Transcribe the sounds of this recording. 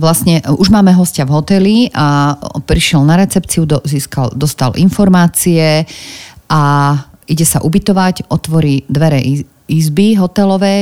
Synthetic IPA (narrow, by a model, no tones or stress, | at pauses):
ʋlasɲɛuʒmaːmɛɦɔscavɦɔt̪ɛliapɾiʃɪɛlnaɾɛt͡sɛpt͡siud̪ziːskald̪ɔst̪alinfɔɾmaːt͡siɛ | ʔa | iɟɛsaʔubit̪ɔʋacʔɔt̪ʋɔɾid̪ʋɛɾɛʔ | izbiɦɔt̪ɛlɔʋɛj